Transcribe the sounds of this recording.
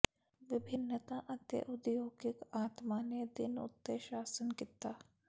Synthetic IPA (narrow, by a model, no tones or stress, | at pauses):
ʋɪbʱɪnːət̪aʔɐd̪jə̰ʔʊd̪joːɡɪkaːt̪maned̪ɪnʊ̰t̪ːeʃaːsənkɪt̪aː